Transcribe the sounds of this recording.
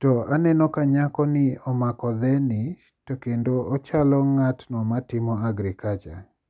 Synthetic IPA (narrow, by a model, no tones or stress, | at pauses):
tɔanɛnɔkaɲakɔnɪɔmakɔd̪ɛnɪ | tokendoɔt͡ʃalɔŋatnɔmatɪmɔaɡɾɪkat͡ʃa